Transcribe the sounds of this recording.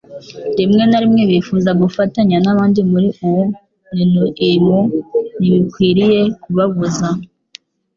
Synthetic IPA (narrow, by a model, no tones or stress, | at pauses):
dimŋe̞naɾimŋe̞βifuzaɡufataɲanaβaːndimuɾiuwu | ninuimuniβikwiːɾije̞kuβaɡuza